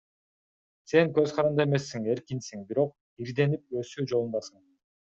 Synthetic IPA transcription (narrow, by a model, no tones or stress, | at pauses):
se̞ŋkø̞zqʰɑɾɑnd̪ɑeme̞sːiŋe̞ɾkinsiŋbiɾo̞q̚ | iɾd̪e̞nip̚ø̞syd͡ʒolˠunbɑsɯɴ